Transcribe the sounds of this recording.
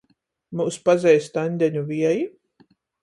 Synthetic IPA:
muːspazʲɛjst̪anʲd̪ʲɛɲʲuviɛji

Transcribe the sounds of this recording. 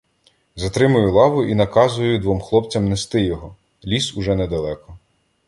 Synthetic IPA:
zɐt̪ɾɪmʊjʊlˠɑʋʊʔinɐkɑzʊjʊd̪ʋɔmxlˠɔp̚t͡sʲɐmnest̪ɪjɔɦɔ | lʲisʊʒɛnɛd̪ɐlˠɛkɔ

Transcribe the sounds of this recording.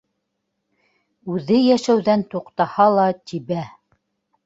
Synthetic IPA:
ʉðɘjæʃæwðænt̪uqt̪ɑhɑlˠɑt̪iβæ

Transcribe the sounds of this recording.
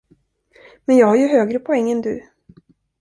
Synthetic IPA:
mɛnjɑːɡhaɾjɵɦøːɡɾəpʰɔɛŋːənd̪ɵ̰

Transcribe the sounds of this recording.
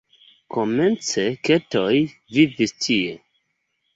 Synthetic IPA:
kome̞nt͡seketo̞jvivistʰie

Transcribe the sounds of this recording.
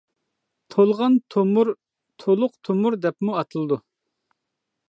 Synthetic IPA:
t̪ʰolˠʁɑnt̪ʰmɾ | t̪ʰolˠʊqt̪ʰomuɾd̪ɛpmuɑt̪ʰɨlˠɨd̪u

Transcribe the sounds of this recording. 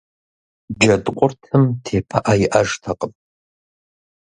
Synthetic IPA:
d͡ʒɐdqʷʼʊrtʰɨmtʰeːpʰɐʔaːjɪʔɐʒtʰɐqʼəm

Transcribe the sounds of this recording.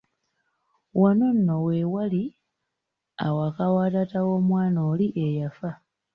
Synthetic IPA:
wanonːowewali | a̰wakawaːtatawo̞ːmwaːnoːliʔejafa

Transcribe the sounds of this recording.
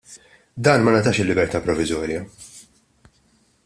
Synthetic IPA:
d̪ɐːnmɐnɐt̪ɐːʃɪlːɪbɛɾt̪ɐːpɾɔvɪzɔːɾjɐ

